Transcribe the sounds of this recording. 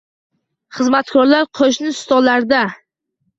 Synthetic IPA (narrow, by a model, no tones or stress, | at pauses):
χɨzmat̪kʰɒɾlaɾqʰoʃnɪst̪ɒlaɾd̪a